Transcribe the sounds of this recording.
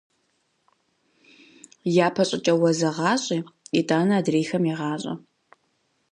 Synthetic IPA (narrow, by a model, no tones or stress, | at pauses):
jaːpʰɐɕʼɪt͡ʃʼɐwɐzɐʁɑːɕʼiːitʼaːnɐaːdreːxɐmjɛʁɑːɕʼɐ̰